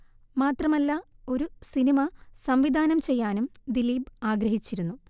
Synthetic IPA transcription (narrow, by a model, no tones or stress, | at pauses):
maːt̪rɐmɐlːɐo̞ɾusinimɐsɐmʋid̪ʱaːnɐmt͡ɕe̞jːaːnumd̪iliːbaːɡɾɐɦit͡ɕːiɾunːu